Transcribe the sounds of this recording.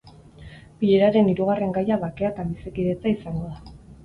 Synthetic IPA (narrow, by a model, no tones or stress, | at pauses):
piʎe̞ɾaɾe̞niɾuɣ̞are̞ŋɡajaβake̞at̪aβisekiðe̞t͡saisaŋɡo̞ða